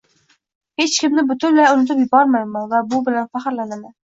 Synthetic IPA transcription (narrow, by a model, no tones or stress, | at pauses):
het͡ʃkʲɪmnɪbʊt̪ʰʊnlaʊnɪt̪ʰɪpjɪbɒɾmad̪ɪmanvabʊbɪlanfaχɪɾlanɪmɪ